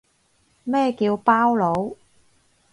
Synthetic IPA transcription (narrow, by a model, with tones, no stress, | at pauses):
mɛː˥kiː˧wpaː˥wlo˨˥w